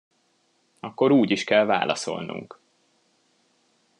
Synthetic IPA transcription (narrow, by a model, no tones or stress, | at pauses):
ɒkːo̞ɾuːɟiʃkɛlva̰ːlɒ̰so̞̰lnṵŋk